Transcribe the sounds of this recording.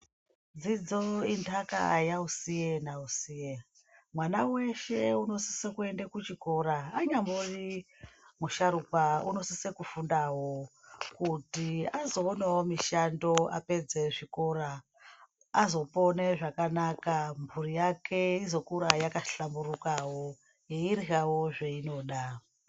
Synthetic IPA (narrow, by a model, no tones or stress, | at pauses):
d͡zid͡zo̞intʰaka̰a̰jausijenausije | mwanawe̞ʃe̞uno̞sisekue̞ndekut͡ʃiko̞ɾaːɲambori | muʃaɾupaṵno̞sisekufundaɦo̞ | kutiazo̞ːnawomiʃando̞a̰pe̞d͡zeʐiko̞ɾaː | zo̞po̞neʐakanakamvurijakʰe̞izo̞kuɾajakaɬamburukawo | jeiɾiɦawo̞ʐeino̞ɗa